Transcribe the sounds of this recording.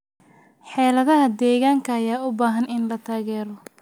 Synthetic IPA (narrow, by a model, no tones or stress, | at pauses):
ħɛːlɐðɐɦɐd̪ɛːɣaːŋkʰɐːjaːʊbaːɦɐnɪnlɐt̪ʰaːɣɛːɾɔ